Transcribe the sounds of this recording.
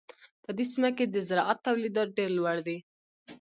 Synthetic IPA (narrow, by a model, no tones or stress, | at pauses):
p̪əd̪isimaked̪əzɪɾɑʔat̪ːawlid̪ɑt̪̚ɖeɾlwaɽd̪e